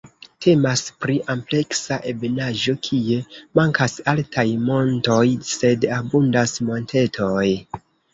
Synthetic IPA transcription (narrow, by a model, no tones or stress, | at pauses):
tʰe̞maspɾiʔample̞ksaʔebenaʒo̞kʰie̞maŋkʰasaltʰajmo̞nto̞jse̞dabundasmo̞ntʰe̞tʰo̞j